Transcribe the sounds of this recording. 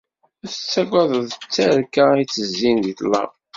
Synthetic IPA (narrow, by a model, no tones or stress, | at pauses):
æθə̥t͡sːæɡʷɑðˤəðˤt͡sːæɾkait͡sːəzːinðit̪lːɑ̰v